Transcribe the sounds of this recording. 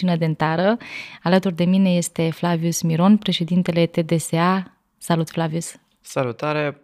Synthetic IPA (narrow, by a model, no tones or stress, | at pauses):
inəd̪ent̪aɾəalət̪urd̪e̞mine̞je̞st̪e̞flaviusmiɾo̞npɾe̞ʃe̞d̪int̪e̞le̞t̪e̞d̪e̞sea | salut̪flavius | səlut̪aɾe